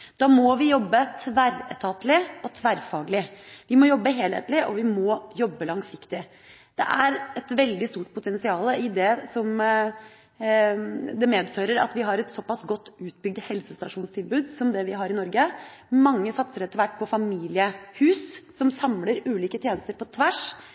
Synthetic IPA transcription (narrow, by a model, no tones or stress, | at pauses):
d̪̥ɑːmɔʋɪjɔbːət̪ʰʋæɾət̪ʰɑːt̪lɪɔt̪ʰʋæɾfɑːɡlɪʋɪmɔjɔbːəɦeːlhḛːt̪lɪʔɔʋɪmɔːjɔbːəlɑŋsɪkt̪ɪ | d̪̥ɛ̰ʔæɾɛt̪ʋɛld̪ɪst̪uːʈ̚pʰʊt̪ʰɛnsɪɑːləɪd̪ɛsɔm | d̪ɛmeːd̪føːɾəɾɑ̰t̪ʋɪɦɑɾɛt̪sɔpːɑsɡɔt̪ːʉːt̪bʏɡ̚d̪hɛlsəst̪ɑʂuːnst̪ʰɪlbʉːd̪sɔmd̪ɛʋɪɦɑɾɪnɔɾɡəmɑŋːəsɑt̪səɾɛt̪ːəɾʋæʈːpʰɔfɑmiːlɪəhʉːssɔmsɑmləɾʉːliːkət̪ʰjeːnəst̪əɾpɔt̪ʰʋæʂ